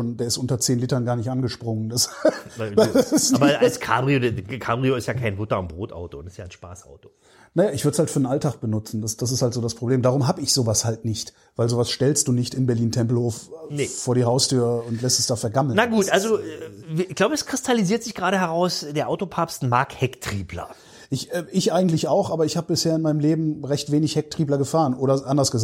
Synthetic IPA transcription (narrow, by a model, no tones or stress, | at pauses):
oːndeːɐɪstʔʊntɐt͡seːnliːtɐnɡaːɐnɪçtʔanɡəʃpʁ̥ʊŋəndas | adasɪsaːbɐɐalskʰa̰ːbʁioːkʰaːbʁioːɪstjaːkʰaɪnbʊtɐʊnbʁoːtʔa̰ʊtoʊntɪsjaːnʃpa̰ːsʔa̰ʊto̥ | najaːɪçv̥ʏɐdəshaltfyːɐdnʔaltʰaːk̚b̥ənʊt͡sn̩dasd̥as̬ɪsthaltz̥oːdaspʁ̥obleːmdaːʁʊmɦaːbəɪçz̥oːvashaltnɪçt | vaɪlzoːvasʃtɛlstd̥uːnɪçtɪmbɛɐliːntʰɛmpl̩hoːffoːɐɾiːɦaʊstʰyːɐʊntlɛstɛsd̥aːfɛɐɡaml̩naɡuːtʔalzo | ɪçɡ̥laʊbəɛskʁ̥ɪstʰaliziːɐtz̥ɪçɡ̥ʁaːɾəɦɛʁaʊsd̥eːɐʔaʊtopʰaɐpstmaɐkhɛktʁ̥iːblɐ̰ | ʔɪçɛːʔɪçʔaɪɡŋ̩tlɪçaʊxʔaːbɐɪçhaːbəbɪsheːɐɪnmaɪnəmleːbm̩ʁɛçtv̥eːnɪçhɛk̚tʁ̥iːblɐɡəfaːʁənʔoːɾɐʔandɐsɡ̥əz